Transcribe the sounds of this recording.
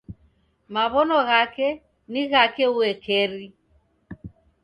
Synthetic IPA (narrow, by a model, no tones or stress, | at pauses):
maβɔnɔɣakɛ | niɣakɛuɛkʰɛɾi